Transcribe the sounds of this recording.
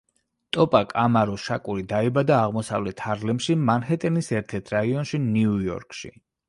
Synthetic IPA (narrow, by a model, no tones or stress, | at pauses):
t̪ʼɔpʼakʼamaɾɔʃakʼuɾid̪aɛbad̪aːʁmɔsa̰vlɛt̪ʰaɾlɛmʃimanhɛt̪ʼɛnisɛɾt̪ʰɛɾt̪ʰɾaiɔnʃiniujɔ̰ɾkʼʃḭ